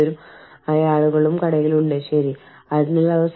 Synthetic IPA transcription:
ɐɾum | jaːɭuɣɐɭumkɐɽɐŋiluɳɖɨɕɐɾi | ɐðinːɐlːɐðɐs

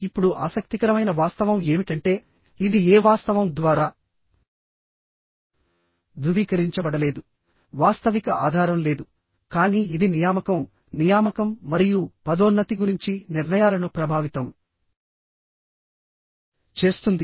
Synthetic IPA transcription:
ipːuɽuʔaːsɐk̚t̪ikɐɾɐmɐjnɐʋaːst̪ɐʋɐme̞ːmiʈɐɳʈe̞ː | id̪ieːʋaːst̪ɐʋɐmd̪ʋaːɾaː | d̪uʋiːkɐɾiɲt͡ʃɐbɐɽɐle̞ːd̪u | ʋaːst̪ɐʋikɐʔaːd̪ʱaːɾɐmle̞ːd̪u | kaːniːid̪inijaːmɐkɐm | nijaːmɐkɐmːɐɾijupɐd̪oːnːɐt̪iɡuɾiɲt͡ʃiniɾnɐjaːlɐnupɾɐbʱaːʋit̪ɐm | t͡ʃe̞ːst̪und̪i

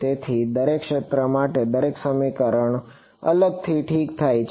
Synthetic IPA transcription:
t̪et̪ʰid̪əɾekʃet̪ɾəmaʈed̪əɾeksəmikəɾəɳ | ə̰ləɡ̚t̪ʰiʈʰikt̪ʰajt͡ʃʰ

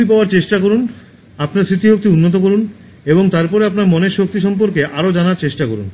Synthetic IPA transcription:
ip̬aoaɾt͡ɕeʃʈakoɾun | apnaɾsɾit̪iɦok̚t̪iunːot̪̬okoɾun | eboŋt̪aɾpɔɾeapnaɾmɔneɾʃok̚t̪iʃɔmp̬oɾkeʔaɾod͡ʑanaɾt͡ɕeʃʈakoɾṵn

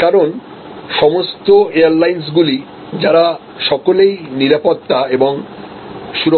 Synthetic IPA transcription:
kaɾon | ʃɔmost̪oeaɾlajns̬ɡuli | d͡ʑaɾa | ʃɔkolejniɾapot̪ːaeboŋ | ʃuɾo

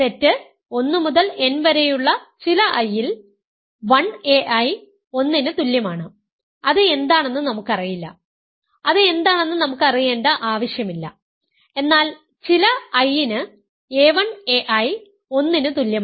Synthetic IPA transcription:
t̪e̞tːɨ | o̞nːɨmuðɐle̞nʋɐɾejuɭːɐt͡ɕilɐʔɐjːil | ʋɐɳeʔɐj | o̞nːinɨt̪uljɐmaːɳɨ | ɐðɨe̞nd̪aːɳe̞nːɨnɐmukːɨɐrijilːɐ̰ | ɐðɨe̞nd̪aːɳe̞nːɨnɐmukːɨɐrijeːnɖɐʔaːʋɐɕjɐmilːɐ̰ | e̞nːaːl | t͡ɕilɐɐjːinɨ | eːʋɐɳe̞ʔɐj | o̞nːinɨt̪uljɐm

